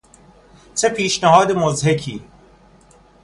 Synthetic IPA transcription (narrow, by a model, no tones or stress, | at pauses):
t͡sʰepiːʃnɐɦɔːd̪emozɦekʰḭː